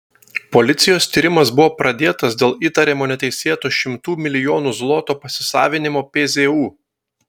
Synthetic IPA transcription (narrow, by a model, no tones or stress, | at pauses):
pɔlʲɪt̪sʲɪjoːst̪ʲiːɾʲɪmɐsbʊʋoːpɾɐd̪ʲeːt̪ɐsd̪ʲeːlˠiːt̪ɐɾʲeːmoːnʲɛt̪ʲɛɪsʲeːt̪oːʃʲɪmt̪uːmʲɪlʲɪjoːnuːzlˠɔt̪oːpɐsʲɪsɑːʋʲɪnʲɪmoːpʲeːzʲeuː